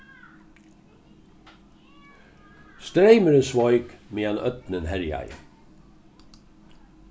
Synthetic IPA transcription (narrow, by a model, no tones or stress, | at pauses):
st̪ɾeɪməɾəsʋɔʏkmeːɑnœ̰t̪nənhæɾjɑ̰ɪ